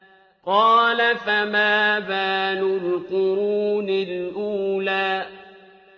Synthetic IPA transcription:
qɑːlafamaːbaːnʊɾkʊɾunɪlʔuːlaː

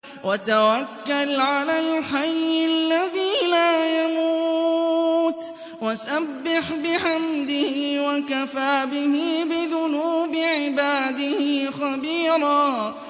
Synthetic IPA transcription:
wʔat̪awakːalʕalalħajalːaðiːlaːjamuː | t̪ | wasabːɪħbɪħamd̪ɪhɪwakafaːbɪhɪbɪðʊnuːbɪʕɪbaːd̪ɪhɪxabiːɾˤaː

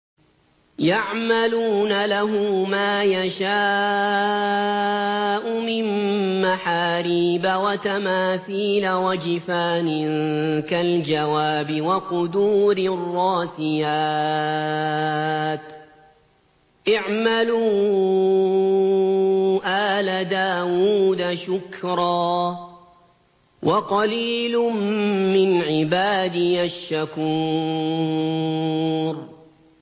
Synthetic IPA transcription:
jaʕmaluːnalaɦʊmmaːjaʃaː | ʔʊmɪnːaħaːɾiːbawat̪amaːθiːlawad͡ʒɪfaːnɪkald͡ʒawaːbɪwaqʊd̪uːɾɪrˤːɑːsɪjaː | t̪ | ʔɪʕmaluː | ʔaːlad̪aːwuːd̪aʃʊkɾˤɑː | wʔɑqɑliːlʊmːɪnʕɪbaːd̪ɪjaʃːakuː | ɾ

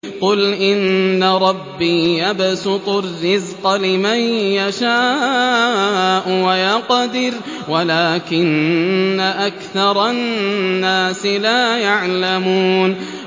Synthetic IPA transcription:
qʊlʔɪnːaɾˤɑbːiːjabasʊt̪ˤʊrːɪzqɑlɪmanjaʃaː | ʔʊwajaqɑd̪ɪɾ | walaːkɪnːaʔakθɑɾˤɑː | aːsɪlaːjaʕlamuːn

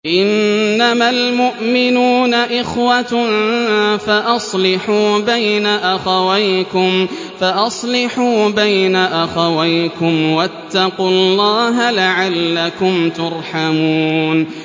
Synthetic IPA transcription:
ʔɪnːamalmʊʔmɪnuːnaʔɪxwat | faʔɑsˤlɪħuːbajnaʔaxawajkʊm | faʔɑsˤlɪħuːbajnaʔaxawajkʊmwat̪ːɑqulˤːɑːɦalaʕalːakʊmt̪ʊɾˤħamuːn

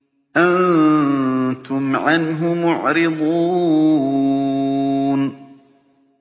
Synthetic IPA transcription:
ʔan | t̪ʊmʕanɦʊmʊʕɾɪd̪ˤuː | n

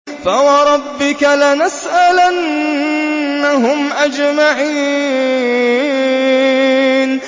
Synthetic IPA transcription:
fawɑɾˤɑbːɪkalanasʔalan | aɦʊmʔad͡ʒmaʕiː | n

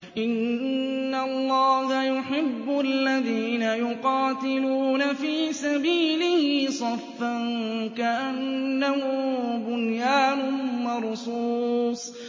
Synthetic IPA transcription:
ʔɪnː | alˤːɑːhajʊħɪbːʊʔalːaðiːnajʊqɑːt̪ɪluːnafiːsabiːlɪhɪsˤɑfːankaʔanːahʊbʊnjaːnʊmɑɾˤsuːsˤ

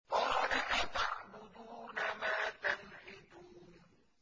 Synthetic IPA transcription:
ʔɑɾnaʔat̪a̰ʕbʊd̪uːnamaːt̪anħɪd̪uːn

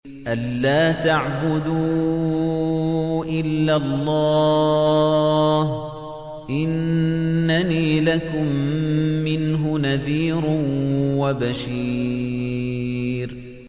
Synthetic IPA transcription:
ʔalːaːt̪aʕbʊd̪uː | ʔɪlːalˤːɑː | h | ʔɪnː | aniːlakʊmː | ɪnɦʊnaðiːɾ | wabaʃiː | ɾ

